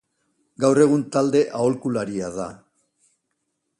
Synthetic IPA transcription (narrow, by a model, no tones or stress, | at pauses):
ɡawre̞ɣ̞unt̪ald̪e̞ʔaolkulaɾiaða